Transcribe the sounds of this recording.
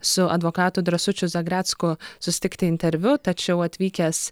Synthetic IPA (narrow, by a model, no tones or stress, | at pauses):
sʊɐ̰d̪ʋoːkɑːt̪ʊd̪ɾɐsʊt͡ʃʲʊzɐɡɾʲæːt̪skʊsʊsʲɪ̥t̪ʲɪkt̪ʲɪɪnʲt̪ʲɛɾʲʋʲʊt̪ɐt͡ʃʲɛʊɐt̪ʲʋʲiːkʲɛs